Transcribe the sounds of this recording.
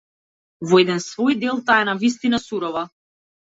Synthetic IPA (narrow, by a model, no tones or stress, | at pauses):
vɔɛd̪ɛnsvɔjd̪ɛlˠt̪aɛnavist̪inasuɾɔva